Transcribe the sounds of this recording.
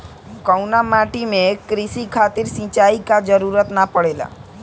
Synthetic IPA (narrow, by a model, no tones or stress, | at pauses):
kəwnamaʈimẽkɾɪsikʰat̪ɪɾsĩt͡ʃaikad͡ʒəɾuɾət̪napəɽela̰